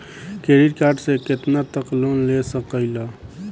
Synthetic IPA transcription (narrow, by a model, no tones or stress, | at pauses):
keːɾiɾkaːɾɖsekɪt̪nat̪əkloːnlesəkəɪlaː